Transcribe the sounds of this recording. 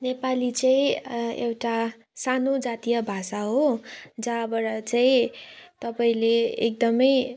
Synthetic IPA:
nepalit͡saĩḛwʈa | sanod͡zat̪ijʌbʱasaɦod͡zaʌbʌɾʌt͡saĩt̪ʌpaĩleḛk̚d̪ʌmʌj

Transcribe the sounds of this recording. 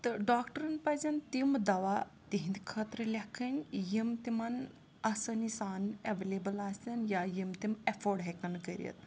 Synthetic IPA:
t̪ɨɖaːkʈəɾɐnpɐzʲɐnt̪imd̪ɐʋa | t̪iɦĩnd̪ʲkʰɐt̪ɾəlʲɐkʰɐnʲjimt̪imɐn | ɐsɐnisaːnɐʋeleːbəlaːsʲɐnjajimt̪imefoːɖɦekɐnkəɾʲə̰t̪̚

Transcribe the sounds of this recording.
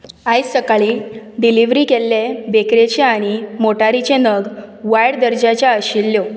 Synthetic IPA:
ajt͡sːəkaɭiːɖiliʋɾiːkelːebekɾet͡ɕeaɽ̃imoʈaɾit͡ɕenəɡ | ʋajɽd̪əɾd͡ʑat͡ɕjaəɕilːjo

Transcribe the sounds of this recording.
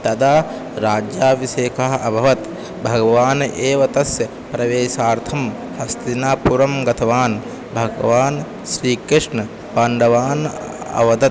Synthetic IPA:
t̪ɐd̪aː | ɾaːd͡ʒjaːʋiʃeːkɐɦɐʔɐbʱɐʋɐt̪ | bʱɐɡɐʋaːnʔeːʋɐt̪ɐsjɐ | pɾɐʋeːʃaːɾt̪ʰɐm | hɐst̪inaːpuɾɐmɡɐt̪ʰɐʋaːn | bʱɐɡɐʋaːn | ʃɾiːkɾɪʂɳɐ | paːɳɖɐʋaːn | ɐ̰ʋɐd̪ɐt̪̚

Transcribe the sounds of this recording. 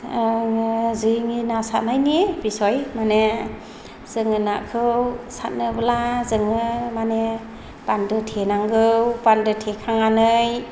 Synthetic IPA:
zɯŋinasat̚najnibisɔjmane | z̥ɯŋɯnakʰɯwsat̚nɯbɯlazɯŋɯmane | pandɯtʰenaŋɡɯwpandɯtʰekʰaŋanɯj

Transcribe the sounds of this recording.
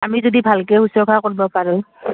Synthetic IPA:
amizodibʱalkɛhusɔkʰakoɹibɔpaɹɛ

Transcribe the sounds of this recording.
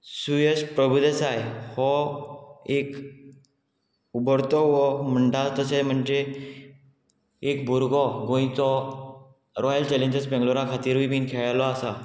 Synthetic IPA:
sujəspɾəbʱud̪esajhɔ | ek | ubəɽt̪ɔʋɔm̤əɳʈ̪at͡st̪əsem̤əɳd͡ʑe | ekbʱuɾɡɔɡõĩt͡sɔ | ɾɔjəlt͡ɕɛlẽɲd͡ʑəsbɛ̃ŋɡluɾãkʰat̪iːɾbibinkʰɛɭlɔasa

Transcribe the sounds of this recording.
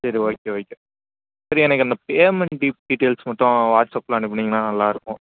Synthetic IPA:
sɐɾioːkeːoːkːe | sɐɾiɛnɐkːɯɐnd̪ɐpeːmɛɳɖiɖiːʈeːlsmɐʈːʊ̃ʋaːʈsɐːpːlɐɐːɳɖip̬ːɐɳːiŋɡɐnãːnɐlːãːɪɾɯkːʊ̃

